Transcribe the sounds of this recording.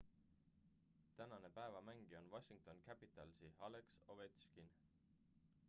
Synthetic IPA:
t̪ænɑne̞pæevɑmæŋɡ̥io̞nwɑɕiŋk̚t̪o̞nkæpit̪ˑɑlsiɑlekso̞vet̪skin

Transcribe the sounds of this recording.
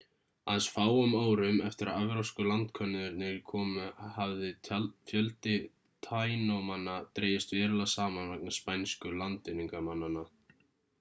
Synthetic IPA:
aðsfaːwʏmoːwɾʏmɛft̪ɪɾaðavɾawskʏlant̪kʰœnːʏðʏɾnnɪɾkʰɔːmhavðɪfjœlt̪ɪ | t̪ʰaːjnowmanːat̪ɾeːjɪst̪vɛːɾɪlasaːmanvɛk̚naspajnskʏlant̪ɪnːiŋkamanːanːa

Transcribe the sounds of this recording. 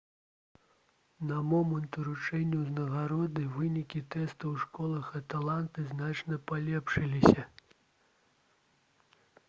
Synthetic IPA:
nɐmɔmɐnt̪uɾut͡ʂɛnʲːɐwznɐɣaɾɔd̪ɨvɨnʲikʲit̪ɛst̪ɐwʂkɔlˠɐxɐt̪alˠant̪ɨznat͡ʂnɐpalʲɛpʂɨlʲisʲɐ

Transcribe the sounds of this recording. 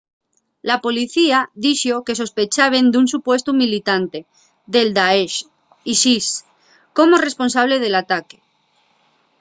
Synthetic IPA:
lapo̞liθiaðiʃoke̞so̞spe̞t͡ʃaβe̞nd̪unsupwe̞st̪umilit̪ant̪e̞ | ðe̞ld̪aeʃ | isis | ko̞more̞spo̞nsaβ̞le̞ð̞e̞lat̪ake̥

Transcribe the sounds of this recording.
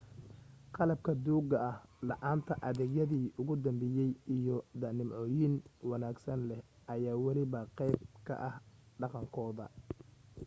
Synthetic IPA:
qɑlɐb̚kʰɐd̪uːɡɐɐhlɑʔaːnt̪ʰɐʔɐðɛːɣjɐðiːʔʊɣʊd̪ɐmbɛjɛjʔijɔd̪ɐnɪmʕɔːjinwɑnaːɡsɐnlɛh | ʔɐjaːwɑlɪβɐqɛjb̚kʰɐ̰ʔɐhɖɑqɑŋkʰɔːðɐ̰

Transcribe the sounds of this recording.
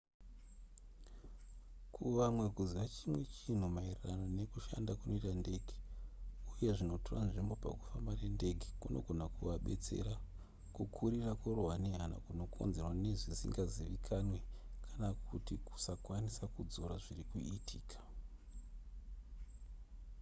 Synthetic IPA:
kʰuʋamwe̞kuziʋat͡ʃimwe̞t͡ʃin̤umairiranone̞kuʃa̰ndakunʔo̞itande̞ːɡʱi | uje̞ʐino̞toranʐimbo̞pa̰ku̥fambare̞nde̞ɡʱi̥kuno̞̰ɡʱo̞nakuʋaɓe̞̰t͡se̞̰ɾa | kukʰuɾirakoroɦwaneɦana̰kuno̞kʰo̞̰nze̞rwane̞ʐisḭŋɡaziʋikʰanwekʰanakutiku̥sakwanisakud͡zo̞ɾaʐirikuitʰiːkḁ

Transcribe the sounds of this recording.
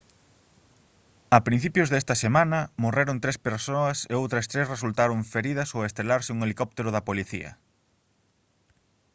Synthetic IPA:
ɐpɾin̟θipjʊzðɛst̪ɐsemãnɐmoreɾont̪ɾespeɾsoɐseowt̪ɾɐst̪ɾesresult̪aɾoɱfeɾiðɐsowest̪ɾelaɾsɪuŋelikɔp̚t̪eɾʊðɐpoliθḭɐ̰

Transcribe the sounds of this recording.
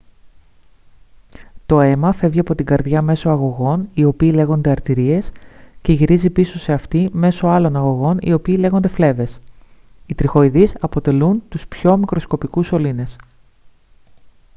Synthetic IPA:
t̪o̞e̞mɐfe̞vʝiɐpo̞t̪iŋɡɐɾðʝɐme̞so̞ɐɣo̞ɣo̞nio̞piːleɣo̞nd̪eɐɾt̪iɾie̞sce̞ʝiɾizipiso̞se̞ɐft̪ime̞so̞ɐlo̞nɐɣo̞ɣo̞nḭo̞piːle̞ɣo̞nd̪e̞fle̞ve̞s | it̪ɾixo̞iðisɐpo̞t̪e̞lunt̪uspço̞mikɾo̞sko̞pikuso̞line̞s

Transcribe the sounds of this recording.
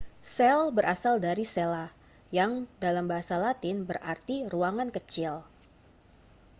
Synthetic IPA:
sɛlbəɾʔasaldaɾisela | jaŋdalambaɦasalat̪ɪnbərʔa̰rt̪iruaŋankət͡ʃɪl

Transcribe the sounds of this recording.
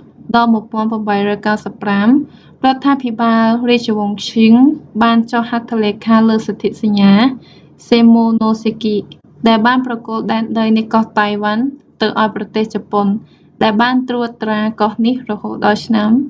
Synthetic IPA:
ɗɑlmuəpoənpəmɓəjrɔːjkawsəpːram | rŏət̪ʰːaːpʰiɓaːlriəc̚t͡ɕoʋoŋʰt͡ɕʰiŋɓaːnt͡ɕohhat̪ʰːoleːkʰaːləːsɑt̪ʰiʔ̚saɲːaː | seːmoːnoːseːkiʔ | ɗaɛlɓaːnprɑkŏəlt̪̚ɗaɛnɗəjnikɑht̪ajʋant̪ɨwʔaɔjprɑt̪eːht͡ɕapon | ɗaɛlɓaːnt̪ruːət̪raːkɑhnihrɔhoːt̪̚ɗɑlt͡ɕʰnam

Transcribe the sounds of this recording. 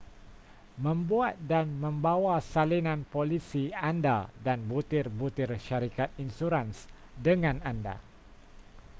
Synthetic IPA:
mə̃mbuat̪̚danmə̃mbawasalinãnpolisianda̰danbut̪ɪrbut̪ɪrʃaɾikat̪̚insuɾans | dəŋãnanda̰

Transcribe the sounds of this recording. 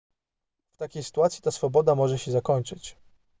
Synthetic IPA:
ft̪akʲejsɘ̥t̪uat̪sʲji̥t̪asfɔbɔd̪amɔʐɛɕɛzakɔɲʲt͡ʂɘt͡ɕ

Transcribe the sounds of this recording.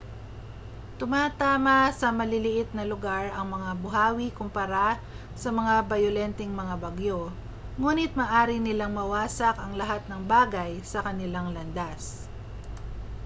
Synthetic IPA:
t̪ʊmaːt̪aːmɐsɐmɐlɪlɪʔɪt̪̚nɐlʊɡaɹɐŋmɐŋabʊɦaːwikʊmpɐɾa | sɐmɐŋabɐjʊlɛnt̪ɛŋmɐŋabɐɡjo̞ | ŋuːnɪt̪̚mɐːʔaːɾɪnɪlaŋmɐwaːsɐkɐŋlɐɦat̪̚nɐŋbaːɡɐjsɐkɐnɪlaŋlɐnd̪as

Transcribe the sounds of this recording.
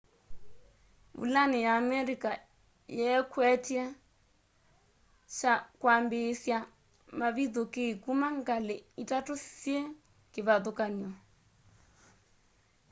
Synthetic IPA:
ṵlanɛjaːmɛɾika | jɛkwɛtia | ʃakwambesja | maβiðokeikumaŋɡaleitatusjɛ | keβaðokaniɔ

